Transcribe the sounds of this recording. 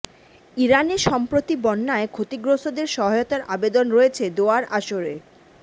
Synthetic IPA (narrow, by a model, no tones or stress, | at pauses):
iɾaneʃɔmpɾot̪ibɔnːaekʰot̪iɡɾosod̪eɾʃɔɦajot̪aɾʔabed̪onɾoet͡ɕʰed̪oaɾaʃoɾe